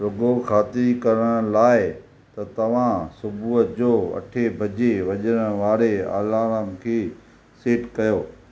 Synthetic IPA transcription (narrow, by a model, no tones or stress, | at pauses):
ɾʊɡokʰaːt̪ɪɾikɐɾəɽ̃əlaːɪ | t̪ɐt̪ɐʋ̤ãsʊbʱuːəd͡ʑoːɐ̰ʈʰebʱɐd͡ʑeʋɐʄəɽ̃əʋaːɾea̰ːlaːɾəmkʰeː | siːʈkɐjoː